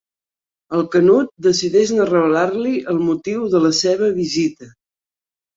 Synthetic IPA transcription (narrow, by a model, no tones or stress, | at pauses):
əlˠkənut̪̚d̪əsiðɛʒnərəβəlaɾliʔəlˠmut̪iwðələseβ̞əβizit̪ə